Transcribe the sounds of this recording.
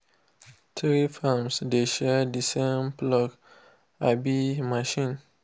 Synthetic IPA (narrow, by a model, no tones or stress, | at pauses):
tɹifamsdeʃɛdisemplɔk | abimaʃĩn